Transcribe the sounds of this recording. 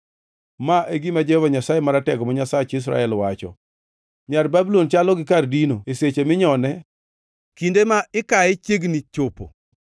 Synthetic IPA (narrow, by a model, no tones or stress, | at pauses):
maʔeɡimad͡ʒɛhɔvaɲasajemaɾatɛɡɔmɔɲasat͡ʃis̬ɾa̰ɛlwat͡ʃɔ̰ | ɲarbabulont͡ʃalɔɡɪk̬ardinoeset͡ʃemɪɲɔnɛ | kindemaɪkaet͡ʃeɡnit͡ʃopo̰